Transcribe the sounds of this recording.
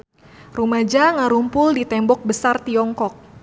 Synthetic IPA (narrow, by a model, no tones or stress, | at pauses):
rumad͡ʒaŋaɾumpʊldit̪ɛmbɔk̚bəsart̪iɔŋkɔk̚